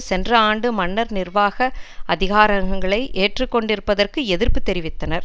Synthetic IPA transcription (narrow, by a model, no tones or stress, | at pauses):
sɛndrɐaːɳɖɯmɐnːɐɾnɪrʋaːɣɐɐðɪɣaːɾɐŋɡɐŋɡɐɭɐɪʔeːʈrɯkːɔɳɖɪɾɯpːɐðɐrkɯɛðɪrpɯt̪ːɛɾɪʋɪt̪ːɐnɐɾ